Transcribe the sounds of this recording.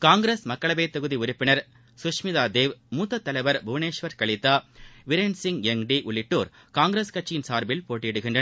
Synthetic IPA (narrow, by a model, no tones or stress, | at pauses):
kaːŋɡɾeːsmɐkːɐɭɐbeːt̪ːɐɣɯðiʊɾɪpːɪnɐɾ | sʊʂmɪðaːd̪eːʋmuːt̪ːɐt̪ːɐlɐɪʋɐɾbʱʊʋneːʂʋɐɾkɐɭɪt̪ːaːʋɪɾensɪŋɡɛŋɖiʔʊɭɪʈːoːɾ | kaːŋɡɾeːskɐt͡ʃːɪjɪnsaːɾbɪlpoːʈːɪjɛɽɯɣɪnɳdrɐ